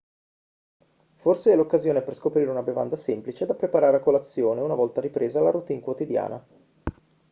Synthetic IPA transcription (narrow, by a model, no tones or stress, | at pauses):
forseɛlokːazjoːneperskopɾiːɾeunabeva̰nd̪asemplit͡ʃed̪apɾepaɾaːɾeakolat̪sːjoːneunavɔlt̪aɾipɾeːzalaɾut̪iŋkwot̪id̪ja̰ːna̰